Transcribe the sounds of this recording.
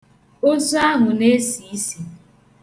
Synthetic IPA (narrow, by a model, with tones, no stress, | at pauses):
o˦zʊ˦a˦ɦʊ˨ne˦si˨˦si˨